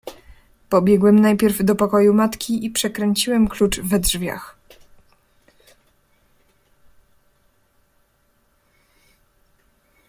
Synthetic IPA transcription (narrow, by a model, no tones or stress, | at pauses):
pɔbʲjɛɡwɛmnajpʲjɛɾvd̪ɔpɔkɔjumat̪kʲiipʂɛkɾɛɲt͡ɕiwɛmklut͡ʂvɛdʐvʲja̰x